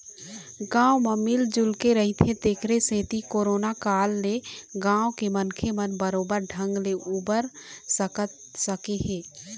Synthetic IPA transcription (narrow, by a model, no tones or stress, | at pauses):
ɡãːwməmild͡ʒʊlkeɾəɦit̪ʰẽt̪eːkʰɾesẽːt̪ikoːɾoːnakaːlːeɡãːwkemənkʰemənbəɾoːbəɾɖʱə̃ŋɡleʔuːbəɾsəkət̪ | səkeɦɛː